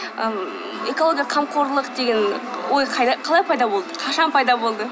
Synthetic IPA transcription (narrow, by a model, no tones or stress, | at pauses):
ə | e̞kolˠo̞ɡʲijɑqʰɑmqʰo̞ɾlˠəqd̪e̞ɡʲe̞nwo̞jqʰɑj̪qʰɑlˠɑjpʰɑjd̪ɑbo̞lˠd̪əqʰɑʃɑnpʰɑjd̪ɑbo̞lˠd̪ə